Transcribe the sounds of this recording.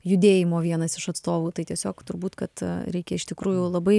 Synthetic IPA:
jʊd̪ʲeːjɪmoːʋʲiɛnɐsɪʃɐt̪st̪oːʋuːt̪ɐɪt̪ʲiɛsʲoːkt̪ʊɾbuːt̪kɐt̪ɾʲɛɪkʲɛɪʃt̪ʲɪkɾuːjʊlˠɐbɐɪ

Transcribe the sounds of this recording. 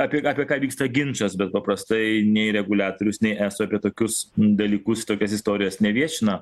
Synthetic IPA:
ɑːpʲiɛɑːpʲiɛkɑːʋʲiːkst̪ɐɡʲɪnt͡ʃɐsbʲɛt̪̚pɐpɾɐst̪ɐɪnʲɛɪɾʲɛɡʊlʲæːt̪oːɾʲʊsnʲɛɪʔæːsʊɑpʲiɛt̪oːkʲʊsd̪ɐlʲiːkʊst̪oːkʲɛsɪst̪oːɾʲɪjɛsnʲɛʋʲiɛʃʲɪnɐ

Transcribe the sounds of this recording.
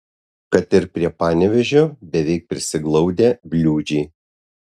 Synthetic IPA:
kɐt̪ɪɾpʲɾʲiɛpɑːnʲɛʋʲɛʒʲoːd̪ʲɛʋʲɛɪk̚pʲɾʲɪsʲɪɡlˠɐʊd̪ʲeːbʲlʲuːd͡ʒʲɛː

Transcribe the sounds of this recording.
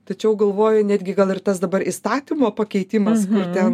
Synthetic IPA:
t̪ɐt͡ʃʲɛʊɡɐlˠʋoːjɛnʲæːd̪ʲɡʲɪɡɐlˠɪrt̪ɐsd̪ɐbɐɾʔist̪ɑːt̪ʲimoːpɐkʲɛɪt̪ʲɪmɐskʊrt̪ʲɛn

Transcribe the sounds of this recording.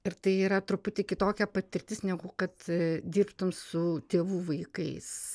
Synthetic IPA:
ɪɾt̪ɐɪiːɾɐt̪ɾʊpʊt̪ʲɪkʲɪt̪oːkʲɛpɐt̪ʲɪɾʲt̪ʲɪsnʲɛɡʊkɐt̪d̪ʲiːrpt̪ʊmsʊt̪ʲeːʋuːʋɐɪkɐɪs

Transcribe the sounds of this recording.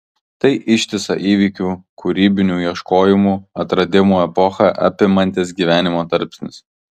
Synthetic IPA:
t̪ɐɪʔɪʃʲt̪ʲɪsɐ̰ʔiːʋʲiːkʲuːkʰʊɾʲiːbʲɪnʲuːjiɛʃkoːjɪmuːɐt̪ɾɐd̪ʲɪmuːɛpɔxɐʔɐ̰pʲɪmɐnʲt̪ʲeːs̬ɡʲiːʋʲæːnʲɪmoːt̪ɐɾʲpʲsʲnʲɪs

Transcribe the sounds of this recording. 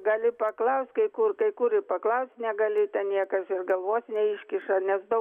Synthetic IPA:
ɡɐlʲɪpɐklˠɐʊsʲt̪ʲkɐɪkʊrkɐɪkuɾɪpɐklˠɐʊsʲt̪ʲnʲɛɡɐlʲɪt̪ʲɛnnʲiɛkɐsɪrɡɐlˠʋoːsʲnʲɛɪʃʲkʲɪʃɐnʲɛsd̪ɐʊ

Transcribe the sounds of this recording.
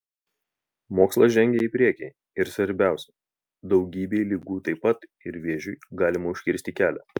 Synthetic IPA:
moːkslˠɐʒʲɛŋʲɡʲeiˑpʲɾʲiɛkʲɛ | ɪɾsʋɐɾʲbʲæˑʊsʲɛ | d̪ɒʊɡʲiːbʲeːlʲiːɡuːt̪ɐɪpːɐt̪ɪɾʋʲiɛʒʲʊɡɑːlʲɪmɐʊʃʲkʲɪɾʲsʲt̪ʲikʲæːlʲæ

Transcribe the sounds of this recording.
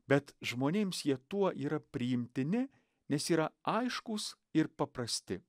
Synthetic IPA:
bʲɛt̪ʒmoːnʲeːmsjiɛt̪uɔʔiːɾɐpʲɾʲɪjɪmʲt̪ʲɪnʲɪ | nʲɛsiːɾɐɐɪʃkʊs | ɪɾpɐpɾɐsʲt̪ʲɪ

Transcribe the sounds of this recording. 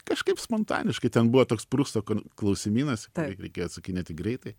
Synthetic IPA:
kɐʃkɐɪpspont̪ɑ̰ːnʲɪʃkɐɪt̪ʲɛnbuʋot̪oːkspɾuːst̪oːkoklˠɐʊsʲɪmʲiːnɐskɾʲɛɪkʲeːjoːt̪sʊkʲɪnʲeːt̪ʲɪɡɾʲɛɪt̪ɐɪ

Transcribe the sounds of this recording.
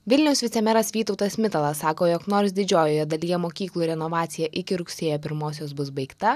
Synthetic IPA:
ʋʲɪlʲnʲɛʊsʋʲɪt̪sʲɛmʲɛɾɐsʋʲiːt̪ɒʊt̪ɐsʲmʲɪt̪ɐlˠɐsɑːkoːjoːknoːɾsd̪ʲɪd͡ʒʲoːjoːjɛd̪ɐlʲijɛmoːkʲiːklˠuːɾʲɛnɔʋɑːt̪sʲɪjɛʔɪkʲɪɾʊksʲeːjoːpʲɪɾmoːs̬ʲoːsbʊsbɐɪkt̪ɐ

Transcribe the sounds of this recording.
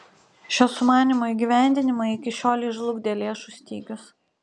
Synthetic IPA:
ʃʲoːsʊmɑːnʲɪmoːiɡʲiʋʲæˑnʲd̪ʲɪnʲɪmɐɪkʲɪʃʲoːlʲiːʒlˠʊɡʲd̪ʲeːlʲeːʃuˑsʲt̪ʲiːɡʲʊs

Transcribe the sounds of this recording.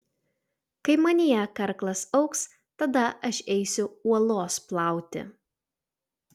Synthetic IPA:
kɐɪmɐnʲiɛkɐɾklˠɐsɐʊks | t̪ɐd̪ɐʔɐʃɛɪsʲʊuɔlˠoːsplˠɑˑʊt̪ʲɪ̰

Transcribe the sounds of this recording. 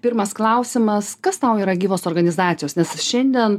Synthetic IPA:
pʲɪɾmɐsklˠɐʊsʲɪmɐskɐst̪ɐʊiːɾɐɡʲiːʋoːsoːrɡɐnʲɪzɑːt̪ʲɪjoːsnʲɛsʃʲɛnʲd̪ʲiɛn

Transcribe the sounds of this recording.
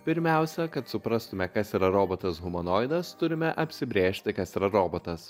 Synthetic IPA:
pʲɪɾʲmʲæˑʊsʲɛkɐt̪sʊpɾɐst̪ʊmʲɛkɐsiːɾɐɾoːboːt̪ɐsɣʊmonoːɪd̪ɐst̪ʊɾʲɪmʲɛʔɐpʲsʲɪbʲɾʲeːʃʲt̪ʲɪkɐsiːɾɐɾoːbot̪ɐs

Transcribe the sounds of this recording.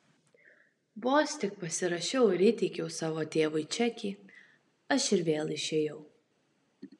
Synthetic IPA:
boːsʲt̪ʲɪk̚pɐsʲɪɾɐʃʲɛʊɪɾʲɪt̪ʲɪkʲɛʊsɑːʋoːt̪ʲeːʋɐɪt͡ʃʲɛkʲiː | ɐʃɪɾʋʲeːlˠɪʃʲeːjɛʊ

